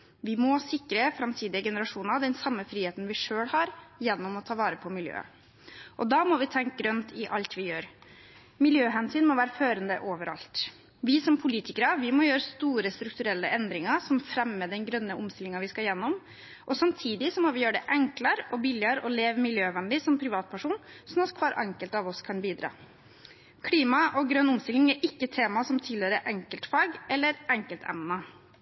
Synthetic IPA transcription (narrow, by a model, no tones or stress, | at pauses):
ʋɪmɔsɪkɾəfɾɑmt̪ʰiːd̪ɪəɡɛnəɾɑʂuːnɑd̪ɛnsɑmːəfɾiːheːt̪n̩ʋɪʂøːɽhɑɾjɛnːɔmɔt̪ʰɑːʋɑːɾəpʰɔmɪljø̰ː | ʔɔd̪ɑmɔʋɪt̪ʰɛŋkɡɾœnt̪ʰɪʔɑlt̪ʰʋɪjøːɾ | mɪljøːɦɛnsyːnmɔʋæːɾəføːɾənd̪əʔoːʋəɾʔɑ̰lt̪ | ʋɪsɔmpʰʊliːt̪ɪkəɾɑʋɪmɔjøːɾəst̪uːɾəst̪ɾʉkt̪ʉɾɛlːəʔɛnd̪ɾɪŋɑsɔmfɾɛmːəd̪ɛnɡɾœnːəʔʊmst̪ɪlɪŋɑʋɪskɑjɛnːɔm | ʔɔsɑmt̪ʰiːd̪ɪsɔmɔʋɪjøːɖɛʔɛŋkləɾɔbɪljəɾɔleːʋmɪljøːʋɛnd̪ɪsɔmpʰɾɪʋɑːt̪̚pʰæʂuːnsɔnɑt̪kʰʋɑːɾʔɑŋkəlt̪ɑʋɔskʰɑnbiːd̪ɾɑ̰ː | kʰliːmɑʔɔɡɾœnːʊmst̪ɪlɪŋɛɾʔɪkːət̪ʰeːmɑsɔmt̪ʰɪlhøːɾəʔɛŋkəlt̪fɑːɡɛlːəɾɛŋkəlt̪ʰɛ̰mnɑ